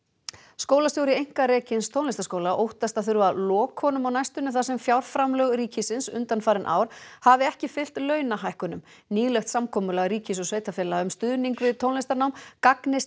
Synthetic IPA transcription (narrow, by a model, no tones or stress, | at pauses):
skowlast̪jowɾjɪejŋ̥karɛːcɪnst̪ʰownlest̪askoːwlaʔowht̪ast̪aðθʏɾvaðlɔːkhɔnʏmawnajst̪ʏnːʏθas̬ɛmfjawɾ̥fɾamlœɣɾiːcɪsɪnsʏ̰nt̪anfaːɾɪnʔa̰ːwɾ̥havɪɛhcɪfɪl̥t̪lœɥnaɦajhkʏnʏm | niːlœxt̪samkʰɔːmʏlaɣriːcɪsɔsveːjt̪afɛːlaʏmst̪ʏðniŋkvɪðt̪ʰownlejst̪aɾnawmkaknɪs